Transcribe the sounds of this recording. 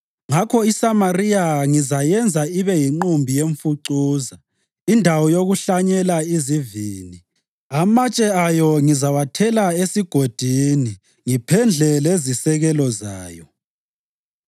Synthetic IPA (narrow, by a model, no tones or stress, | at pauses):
ŋakʰɔisamariaŋizajɛnd͡zʱaiβɛjiŋ͡ǃumbʱijeɱfuǀuːza | indʱawɔjoɣuɬaɲɛlaiziviːni | amat͡ʃʼɛajɔŋizawatʰɛlaesiɡ̥ʱod̥ʱini | ŋipʰɛnd͡ɮʱɛlezisɛɣɛlɔza̰ːjɔ